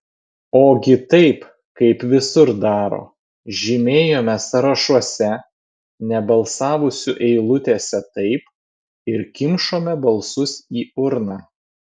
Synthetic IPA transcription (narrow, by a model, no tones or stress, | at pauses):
oːɡʲɪt̪ɐɪp | kɐɪpʋʲɪsʊɾd̪ɑːɾo̰ː | ʒʲɪmʲeːjoːmʲɛsɐɾɐʃɔsʲɛ | nʲɛbɐlˠsɑːʋʊsʲʊʔɛɪlˠʊt̪ʲeːsʲɛt̪ɐɪp | ɪɾkʲɪmʃoːmʲɛbɐlˠsʊsiːʊɾnɑː